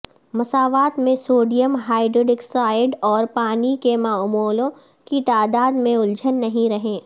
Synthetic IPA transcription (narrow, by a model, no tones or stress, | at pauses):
mɐsaːʋaːt̪mẽsoːɖijəmɦaːɪɖɾoːɖɪksaːɪɖɔːɾpaːnikemaːmoːlõ | kit̪aːd̪aːd̪mẽʊld͡ʒʱənːɐɦĩɾɐɦẽː